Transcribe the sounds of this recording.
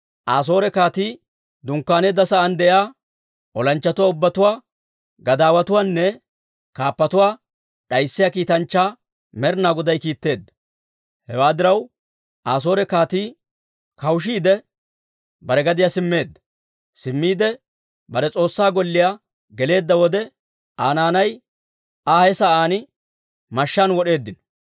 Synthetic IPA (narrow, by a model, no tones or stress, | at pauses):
ʔaːs̬o̞ːɾɛkaːt̪iː | d̪ʊŋkːaːneːd̪ːɐsɐʔɐnd̪ɛʔjaː | ʔɔlɐnt͡ʃːɐt̪ʊwaːʊbːɐt̪ʊwaː | ɡɐd̪aːwɐt̪ʊwaːnːɛ | kaːpːɐt̪ʊwaː | ᶑɐjsːɪjaːkiːt̪ɐnt͡ʃːaː | mɛɾnaːɡɔd̪ɐjkiːt̪ːe̞ːd̪ːɐ | hɛwaːd̪ɪɾɐw | ʔaːs̬o̞ːɾɛkaːt̪iː | kɐwʃ̬iːd̪ɛ | bɐɾɛɡɐd̪ɪjasɪmːe̞ːd̪ːɐ | sɪmːiːd̪ɛ | bɐɾɛt͡sʼo̞ːsːaːɡɔlːɪja | ɡɛle̞ːd̪ːɐwɔd̪ɛ | aːnaːnɐj | aːhɛsɐaːnɪ | mɐʃːaːnwɔɗe̞ːd̪ːɪnɔ̥